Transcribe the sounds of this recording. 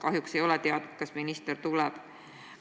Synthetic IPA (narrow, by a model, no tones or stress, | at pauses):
kɑɦjukse̞jo̞let̪eɑd̪̥ut̪kɑsminist̪eɾt̪ulɛb̥